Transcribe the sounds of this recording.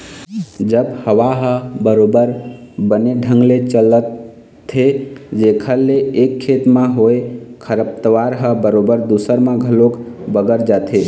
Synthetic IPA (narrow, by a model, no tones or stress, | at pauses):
d͡ʒəbhəwaɦəbəɾobəɾbəneɖʱə̃ŋɡlet͡ʃələt̪ʰː | ed͡ʒekʰəlleekʰːet̪mãɦojekʰəɾəp̚t̪əʋaɾɦəbəɾobəɾd̪usəɾmãɡʱəlokbəɡəɾd͡ʒat̪ʰe